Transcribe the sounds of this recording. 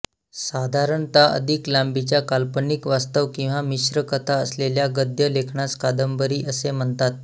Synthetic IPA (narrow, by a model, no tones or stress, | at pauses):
sad̪ʱaɾəɳt̪aʔə̰d̪ʱiklambit͡ɕjakalpənikʋast̪əʋkĩw̃ʋamiɕɾəkət̪ʰaəsleljaɡəd̪jəlekʰɳaskad̪əmbəɾiːʔəsem̤əɳt̪at̪̚